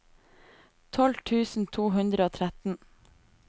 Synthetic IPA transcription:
t̪ʰɔlt̪ʰʉːsn̩t̪ʰuːɦʉnd̪ɾəoːt̪ʰɾæt̪n̩

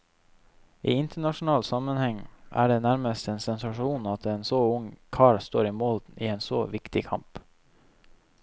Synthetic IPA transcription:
ʔḭːɪnt̪ʰəɳɑʃn̩ɑːlsɑmənhɛŋʔæ̰ːɖeːnæɾməst̪eːnsɛnsɑʃuːnɑt̪eːnsoːʊŋkʰɑːɭst̪o̰ːɾiːmɔld̪n̩ḭːeːnsoːʋɪkt̪ɪkʰɑ̰mp

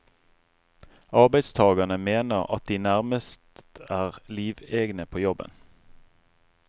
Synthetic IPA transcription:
ɑʁbæɪd̪st̪ʰɑːɡɑnəmeːnəʁɑ̰t̪̚d̪iːnæʁməst̪æːʁliːʋeːɡnəpʰoːjɔbə̰n

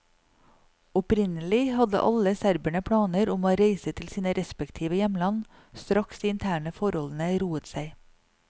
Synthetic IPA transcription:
ɔpɾɪnəlɪhɑd̪ə̰ʔɑ̰ləsæɾbæɳəpʰɽɑːnəɾʊmoːɾeɪsət̪ʰɪlsiːnəɾɛspɛkt̪ʰiːʋəjɛmlɑn | st̪ɾʔɑksd̪iːɪnt̪ʰæːɳəfɔɾɔln̩əɾuːət̪sæɪ

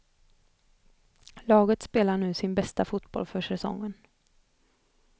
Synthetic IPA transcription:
lɑːɡət̪speːlaɳʉ̟ːsɪnbɛst̪afʊt̪bɔ̰lfœʂɛsɔ̰ŋːən

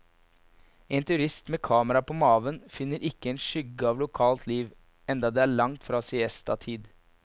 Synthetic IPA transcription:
eːnt̪ʰʉɾɪst̪meːkʰɑːməɾɑpʰoːmɑːʋənfɪnːəɾʔɪkːəeːnʂʏɡəɑːʋlʊkʰɑːlt̪ʰliːʋ | ɛnd̪ɑd̪eːæːɭɑŋt̪fɾɑːsɪɛst̪ɑ̰t̪ʰiːd̪

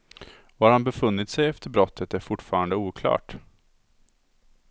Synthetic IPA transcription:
aɾhanbɛfɵnːɪt̪sɛjɛft̪əɾbɾɔt̪ʰːət̪æɾfʊʈːfɑːɾand̪əuːkʰlɑ̰ːʈ

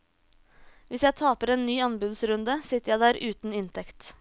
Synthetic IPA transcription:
ʋɪsjæɪt̪ʰɑːpəɾeːnnyːɑnbʉd̪sɾʉnd̪əsɪt̪ːəɾjæɪd̪æːɾʉːt̪n̩ɪnt̪ʰɛkt̪

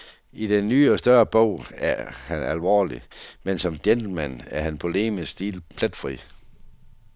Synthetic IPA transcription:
id̥enːyːɒ̽sd̥ɶɐb̥ɔ̰ʊ̰æɐhænælʋɒ̰ːlimensɒ̽md̥jend̥l̩mæn̰æɐɦænpʰo̝le̝̰ːməsd̥iːlpʰlæd̥fʁḭ

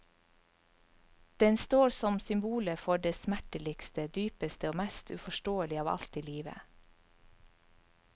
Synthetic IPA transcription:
d̪̥ɛnst̪oːɾsɔmsʏmbuːləfɔɖeːsmæʈəlɪkst̪əd̪yːpəst̪əoːmæst̪ʰʉ̰fɔʃʈoːəlɪɑːʋɑ̰lt̪iːliːʋə̰

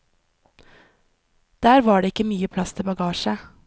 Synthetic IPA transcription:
d̪̥æːɾʋɑːɖeːɪkːəmyːəpʰlɑst̪ʰɪbɑɡɑːʃə

